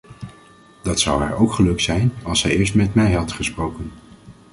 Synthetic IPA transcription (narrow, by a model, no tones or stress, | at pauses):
d̥ɑtsʌwɦa̰ːɹowkχəlɵksɛjnɑlˠsɛjɪːɹs̬tmɛtmɛjɦɑtχəsprowkən